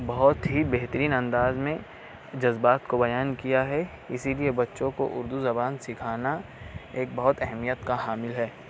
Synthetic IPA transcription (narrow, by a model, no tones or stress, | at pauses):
bɐɦʊt̪ɦibeɦt̪əɾiːnɐ̃nd̪aːzmẽ | d͡ʒɐzbaːt̪kobɐjaːnkijaɦɛ | ɪsiliebɐtːʃõko̰ʔʊɾd̪uzɐbaːnsɪkʰaːna | eːk̚bɐɦʊt̪ɛɦmijət̪kaɦaːmɪlɦɛː